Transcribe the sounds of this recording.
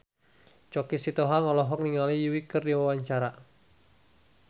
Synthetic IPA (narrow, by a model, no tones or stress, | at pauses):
t͡ʃɔkisit̪ɔɦaŋɔlɔɦɔk̚niŋalijuwikɨrdiwawaɲt͡ʃaɾa